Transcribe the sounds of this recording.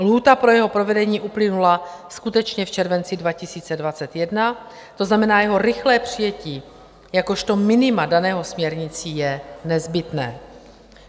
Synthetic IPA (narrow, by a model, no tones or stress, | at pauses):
luːt̪apɾojɛɦo̞pɾo̞vɛdɛɲiːʔuplɪnulaskut̪ɛt͡ʃɲɛft͡ʃɛɾvɛnt͡sɪdvacɪsiːt͡sɛdvat͡sɛt̪jɛdna | t̪o̞znamɛnaːjɛɦo̞ɾɪxlɛːpr̝̥ɪjɛciː | jako̞ʃt̪o̞mɪnɪmadanɛːɦo̞smɲɛɾɲɪt͡siːjɛnɛzbɪt̪nɛː